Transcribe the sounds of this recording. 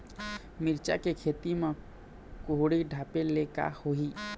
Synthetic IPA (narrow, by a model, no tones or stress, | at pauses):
miɾt͡ʃa̰kekʰet̪ime | koɦɽiɖʱapeleka̰hoɦi